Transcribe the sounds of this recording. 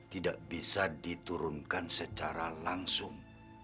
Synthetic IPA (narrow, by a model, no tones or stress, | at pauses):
t̪idaʔbisadit̪uɾʊnkansət͡ʃaɾalaŋsʊŋ